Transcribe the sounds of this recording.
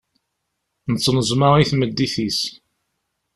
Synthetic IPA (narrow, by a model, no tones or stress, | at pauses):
nət͡sːnəzˤmɑʁiθməd̪ːiθis